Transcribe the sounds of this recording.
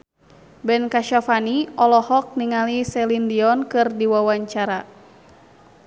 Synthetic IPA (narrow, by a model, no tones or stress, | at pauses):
bɛnkaʃafaniɔlɔhɔk̚niŋalisɛlindiɔnkɨrdiwawaɲt͡ʃaɾa